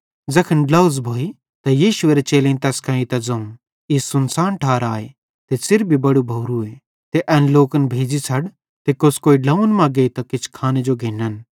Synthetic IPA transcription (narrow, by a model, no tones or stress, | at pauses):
d͡zɐkʰənɖlɐʊzbʱoːi | t̪ɐjiːʃʊeːɾet͡ʃeːlẽːt̪ɛːskãːĩt̪ɐd͡zɐ̃ũ | isʊnsaːnʈʰaːɾaːe | t̪esɪɾbʱibɐɽubʱɐːɾue | t̪eʔɛːnloːkənbʱeːd͡ʒisʰɐɽ | t̪ekoskoːiɖɐ̃ũnmɐ̃ɡeːt̪ɐkɪt͡ʃʰkʰaːned͡ʒoɡʱeːnən